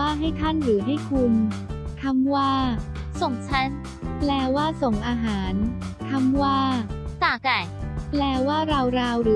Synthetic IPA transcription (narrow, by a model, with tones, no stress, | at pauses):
waː˥˩ɦa˥˩jt̪ʰa˥˩nɾɯː˩˦ɦa˥˩jkʰu˧nkʰa˧˥mwaː˥˩ | so˨˩ŋt͡ɕʰa˦˥n | plɛː˧waː˥˩so˨˩ŋʔaː˧ɦaː˩˦n | kʰa˧˥˩mwaː˥˩t̪aː˨˩ka˨˩plɛː˧waː˥˩ɾa˧wɾaː˧wɾɯː˩˦